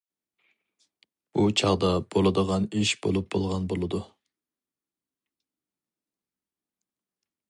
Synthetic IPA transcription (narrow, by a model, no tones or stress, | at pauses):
b̥ut͡ʃʰɑʁd̪ɑb̥olˠɨd̪əʁɑniʃbo̰lˠup̚b̥o̰lˠʁɑnbolˠɨd̪u